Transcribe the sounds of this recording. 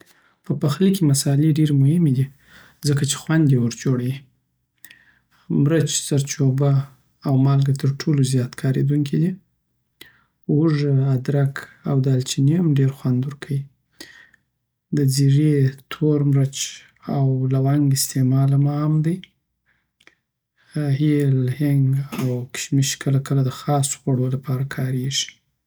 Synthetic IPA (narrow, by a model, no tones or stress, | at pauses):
pəpaxlikimasɑleɖeɾemʊhɪmed̪i | zəkat͡ʃe̥xwand̪jewəɾd͡ʒoɽawi | mɾət͡ʃsaɾt͡ʃobaː | wmɑlɡat̪əɾʈʰolozjɑt̪kʰɑɾḛd̪uŋkʰid̪i | ʊʐəad̪ɾakʰawd̪alt͡ʃineamɖeɾxwand̪wʊɾkʰawi | d̪əziɾet̪ʰoɾmɾat͡ʃ | awlawaŋɡɪst̪emɑlamaamd̪əj | ahilhɪŋɡawkɪ̥ʃmiʃkʰəlakəlad̪əxɑso̥xwaɽolapɑɾakʰɑɾeʒi̥